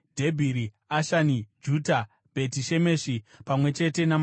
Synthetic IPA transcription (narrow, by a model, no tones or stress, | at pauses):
dʱe̞bʱiɾi | aʃanid͡ʒuta | b̥ʱe̞tiʃe̞me̞ːʂipamwe̞t͡ʃe̞te̞nam